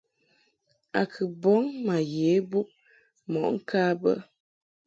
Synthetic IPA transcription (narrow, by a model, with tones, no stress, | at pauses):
a˨kʰɨ˨bɔ˦ŋma˨jeː˨˦bu˦ʔ̚ | mɔ˨ʔŋ̩˦kʰaː˦bə̰˦